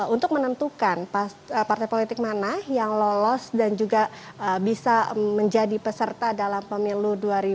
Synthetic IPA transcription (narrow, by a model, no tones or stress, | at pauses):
unt̪ʊk̚mənənt̪ukanpa | əpart̪ajpolit̪ɪk̚manahjaŋlolɔsdand͡ʒuɡa | əbisaməɲd͡ʒadipəsərt̪adalampəmiluduaɾi